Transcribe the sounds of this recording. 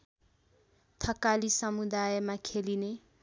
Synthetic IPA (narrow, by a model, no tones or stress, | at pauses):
t̪ʰʌkalisʌmud̪ajmakʰeline